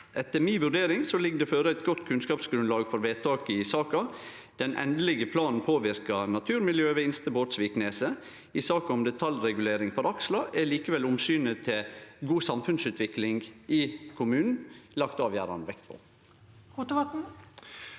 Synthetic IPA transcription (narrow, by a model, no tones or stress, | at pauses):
ʔɛt̪ːəɾmiːʋʉɖeːɾɪŋsɔlɪɡd̪ɛføːɾəæɪt̪̚ɡɔt̪ːkʰʉnskɑːpsɡɾʉnlɑːɡfɔɾʋeːt̪ʰɑːkəɪsɑːkɑ | d̪̥ɛnʔɛ̰nd̪əlɪɡəpʰlɑːnn̩pʰoːʋɪɾkɑnɑt̪ʰʉːɾmɪljøːʋɛɪnst̪əboːt̪sʋiːkneːsə | ɪsɑːkɑʊmd̪ɛt̪ʰɑlɾɛɡʉleːɾɪŋfɔɾɑkslɑʔɛɭiːkəʋɛlʊmsyːnət̪ʰɪɡuːsɑmfʉnsʉːt̪ʰʋɪklɪŋɡʔɪkʰʊmʉːnn̩lɑkt̪ɑːʋjæːɾɑ̰nʋɛkt̪pʰɔ̰ | hʊt̪ʋɑt̪n̩